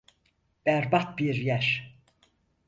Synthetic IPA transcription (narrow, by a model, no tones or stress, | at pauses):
b̥æɾbat̪̚biɾjæɾ